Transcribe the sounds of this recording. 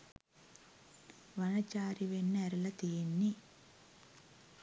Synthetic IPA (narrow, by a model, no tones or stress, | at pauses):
ʋɐnɐt͡ʃaːɾiʋenːɛɾɐlɐt̪ijenːi